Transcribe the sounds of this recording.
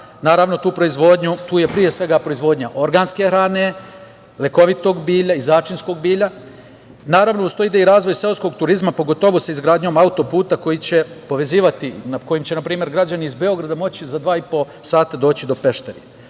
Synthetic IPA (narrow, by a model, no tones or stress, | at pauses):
naːɾaʋno̞t̪uːpɾo̞izʋo̞ːd̪ɲut̪uːje̞pɾije̞sʋe̞ɡapɾo̞izʋo̞ːd̪ɲaʔo̞ɾɡaːnske̞xɾaːne̞ | le̞ko̞ʋit̪o̞ɡbiːʎaizaːt͡ʃinsko̞ɡ̚biːʎa | naːɾaʋnoust̪o̞jid̪eiɾaːzʋo̞jselsko̞ɡt̪uɾizmapo̞ɡo̞t̪o̞ʋusaizɡɾaːd̪ɲo̞ːmaut̪o̞puːt̪ako̞jit͡ɕe̞po̞ʋe̞ziːʋat̪iako̞jimt͡ɕe̞napɾiːme̞ɾɡɾad͡ʑaniizbe̞o̞ɡɾad̪amo̞t͡ɕizad̪ʋaːipo̞ | saːt̪ad̪o̞ːt͡ɕid̪o̞pe̞ʃt̪eɾi